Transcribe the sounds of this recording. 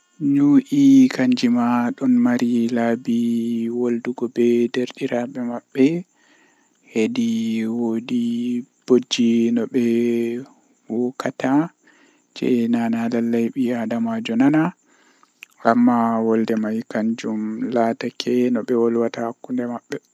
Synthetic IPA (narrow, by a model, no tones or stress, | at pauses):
ɲuʔikaɲd͡ʒimaɗɔnmaɾilaːbiwolduɡɔbɛdeɾɗiɾaɓɛmaɓːɛ | hediwodib̥od͡ʒːinɔɓɛ | wɔkata | d͡ʒɛ̰nanalalːajɓiadamad͡ʒɔnana | amːawɔldɛmajkaɲd͡ʒumlaːtakʰɛnɔɓɛwɔlwatahakːundɛmaɓːɛ